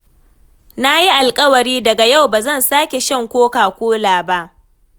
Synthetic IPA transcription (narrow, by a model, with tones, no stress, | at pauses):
na˦ji˦ʔa˨lkʼɐ˦wɐ˨ɾiː˦dɐ˨ɡa˨ja˦˨wbaː˨zɐ˦˨nsaː˦kʲe˨ʃɐ˦˨ŋkʷoː˦kaː˨kʷoː˦laː˨ba˦ʔ